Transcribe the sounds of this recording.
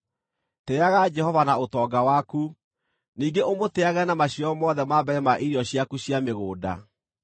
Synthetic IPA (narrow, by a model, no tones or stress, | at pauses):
tɛaɣad͡ʒɛhɔvanaotɔɡawaku | niːɡeʔomotɛaɣɛnamaɕiɔmɔðɛmabɛɾɛmaʔiɾiɔɕiakuɕjameɣoːda̰